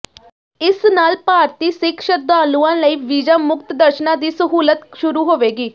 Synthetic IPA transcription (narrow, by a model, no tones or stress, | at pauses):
ɪsnaːlpaːɾt̪iːsɪkʃəd̪aːlũːãːləiːʋiːd͡ʒaːmʊkt̪d̪əɾʃnãːd̪iːsəɦuːlət̪ʃʊɾuːɦoːʋeːɡiː